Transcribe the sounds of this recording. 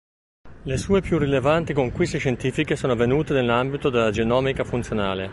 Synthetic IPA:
lesuːepjurːilevant̪ikoŋkwist̪eʃent̪iːfikesoːnoavenuːt̪enelːambit̪od̪elːad͡ʒenɔːmikafunt̪sjona̰ːle

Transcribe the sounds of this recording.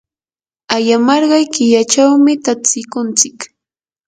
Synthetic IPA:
ajamɑɾɢɑjkɪjat͡ʃawmɪt̪asɪkʊnt͡sɪk

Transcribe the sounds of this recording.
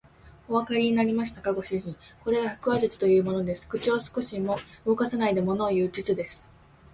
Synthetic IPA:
o̞βakaɾʲiɲ̟inaɾʲimaɕi̥t̪akaɡo̞ɕiʑĩŋko̞ɾe̞ɡahɯ̟̥kɯ̟βaʑɨt͡sɨ̥t̪o̞jɯ̟ːmo̞no̞d̪e̞sɨ̥kɯ̟t͡ɕiosɨ̥ko̞ɕimo̞ɯ̟okasanaid̪e̞mo̞no̞ːjɯ̟ːd͡ʑit͡sɨd̪e̞sɨ̥

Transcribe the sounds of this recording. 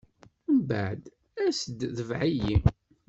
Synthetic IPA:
mba̰ʕd̪ | æsəd̪ðəvʕiji

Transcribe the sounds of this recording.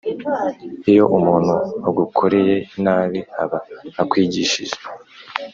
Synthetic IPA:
ijo̞ʔumuːn̥huaɡukʰoɾeje̞inaːβiha̰βaːkwiːɟiʃiʒe̥

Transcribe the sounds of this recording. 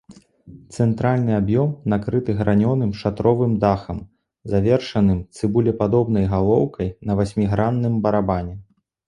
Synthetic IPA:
t̪sɛnt̪ɾalʲnɨabjɔmnakɾɨt̪ɨɣɾʔanʲɔnɨmʂat̪ɾɔvɨmd̪axɐm | zavʲɛrʂɐnɨmt̪sɨbulʲɛpad̪ɔbnɐjɣalˠɔwkʰɐjnɐvasʲmʲiɣɾanːɨmbɐɾabanʲɛ

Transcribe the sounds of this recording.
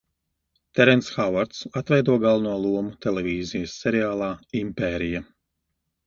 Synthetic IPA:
t̪ɛɾɛnt̪sxavaɾt̪sat̪vɛjd̪uɔɡalˠnuɔlˠuɔmut̪ɛlʲɛvʲiːzijɐsːɛɾiaːlˠaːimpɛːɾija

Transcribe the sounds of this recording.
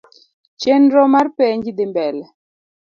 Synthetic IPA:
t͡ʃɛnɾɔmaɾpɛɲɡid̪ɛmbɛlɛ

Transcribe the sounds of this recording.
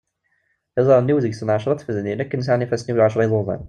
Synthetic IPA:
æzˤɑɾnːiwzəɡsənʕaʃɾˤɑt̪fəzninækːənəs̬aʕnifæsniwlʕaʃɾˤɑjðˤoðˤæ̰n

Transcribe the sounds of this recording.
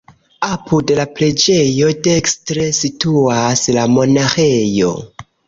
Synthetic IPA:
apʰude̞lapɾe̞d͡ʒe̞jo̞dekstɾe̞situaslamo̞naxejo̞̰

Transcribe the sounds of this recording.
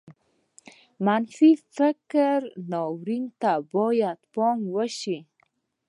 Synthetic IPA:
manfifɪkɾnɑwɾiŋt̪abɔjad̪pɔŋɡwəʃi

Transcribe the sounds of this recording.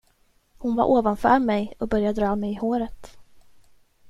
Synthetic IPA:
hʊnva̰ɾʔoːvanfœ̰ːɾmɛjɔk̚bœɾjad̪ɾɑːmɛjɪhoːɾət̪

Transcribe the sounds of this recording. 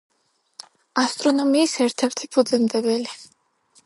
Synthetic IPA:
ast̪ʼɾɔnɔmiːsɛɾt̪ʰɛɾt̪ʰipʰud̪zɛmd̪ɛbɛli

